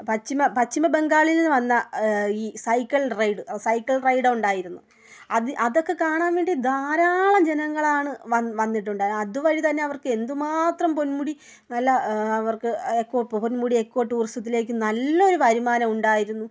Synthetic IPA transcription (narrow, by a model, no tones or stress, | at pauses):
pɐt͡ɕːimɐpɐt͡ɕːimɐbe̞ŋɡaːɭilenːɨʋɐnːɐiːsɐjkːɐɭrɐjɖɨsɐjkːɐɭrɐjɽɨuɳɖaːjiɾunːu | ɐðɨʔɐðo̞kːe̞kaːɳaːnʋeːɳɖid̪aːɾaːɭɐmd͡ʑe̞nɐŋːɐɭaːɳɨʋɐʋɐnːiʈ̬ːuɳɖaːjɐðɨʋɐɻit̪ɐnːe̞ɐʋɐrkɨe̞nd̪ɨmaːt̪rɐmpo̞nmuɽi | nɐlːɐɐʋɐrkɨekːo̞ːponmuɽiekːo̞ːʈːuːrist̪ɐt̪̬ːile̞ːk̬ʲːɨnɐlːɐo̞ɾuʋɐɾimaːnɐmuɳɖaːjiɾunːu